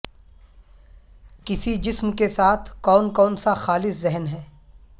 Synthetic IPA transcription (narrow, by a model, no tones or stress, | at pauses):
kɪsid͡ʒɪsmkesaːt̪ʰkɔːnkɔːnsaxaːlɪszɛɦnɦɛː